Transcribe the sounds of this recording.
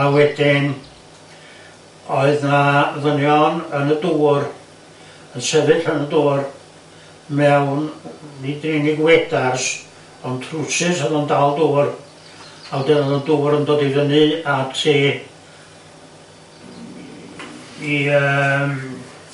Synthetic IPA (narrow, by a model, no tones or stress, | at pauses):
awɛdɪn | ɔɨðnaðənjɔnənəduːr | ənsɛvɨdənəduːr | mɛwnnidrɪniɡwɛdas | ɔntʰrusɪsəðɔndaːlˠduːr | awdɛnənənduːɾəndoːdiðənɨatʰiː | iəm